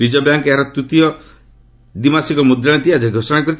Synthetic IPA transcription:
ɾid͡ʒɔbjaŋkeaɾɔt̪ut̪ijɔ | d̪imasikɔmud̪ɾaɽ̃et̪iad͡ʒaɡʱɔsɔnãkɔɾi

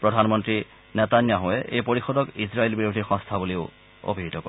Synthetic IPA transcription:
pɹɔdʱanmɔntɹi | nɛtanjaɦɔɛʔḛjpoɹixɔdɔkizɹaelbiɹodʱiɹxɔ̃st̪ʰabuleʊ | o̰bʱiɦitɔkɔ̰

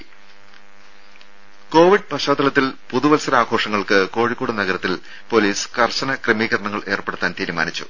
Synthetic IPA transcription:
ko̞ːʋiɖ̚pɐɕaːd̪ːɐlɐt̪ːilpuðuʋɐlsɐɾaːɡʱo̞ːʂɐŋːɐɭkɨko̞ːɻikːoːɽunɐɣɐɾɐt̪ːil | po̞liːsɨ̥kɐrɕɐnɐkremiːɣɐrɐɳɐŋːɐɭe̞ːrpeɽut̪ːaːnt̪iːɾuma̰ːnit͡ɕːṵ

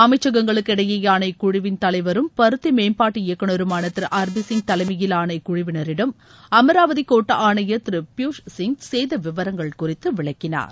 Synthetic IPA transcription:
ɐmɐɪt͡ʃːɐɣɐŋɡɐɭɯkːɛɽɐjejaːnɐɪkʊɻɪʋɪnt̪ɐlɐɪʋɐɾɯmpɐɾɯt̪ːimeːnpaːʈːɯɪjɐkːɐɳɔɾɯmaːnɐt̪ːɾɯʔaːɾbisɪŋɡ̚t̪ɐlɐɪmɐjɪlaːnɐɪkʊɻɪʋɪnɐɾɪɽɐm | ɐmɐɾaːʋɐðikoːʈːɐʔaːɳɐjɐt̪ɾɪpjuːʂsɪŋɡsejðɐʋɪʋɐɾɐŋɡɐɭkʊrɪt̪ːɯʋɪɭɐkːɪna̰ːɾ

